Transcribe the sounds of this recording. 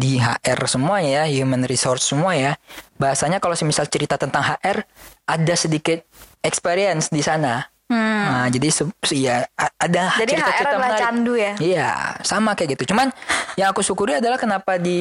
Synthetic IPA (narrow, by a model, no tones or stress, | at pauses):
diɦa̰ʔɛrsəmuajahjumənrisɔrt̪səmuajabaɦasaɲakalosəmisalt͡ʃəɾit̪at̪ənt̪aŋɦaʔɛrʔadasədikɪt̪̚ɛkspeɾiənsdisana | mad͡ʒadisəsijaːdahd͡ʒadiəɾiatat͡ʃəɾt̪aanaandujaija̰samakajɡit̪ut͡ʃumanjaŋakusukuɾiadalahkənapadi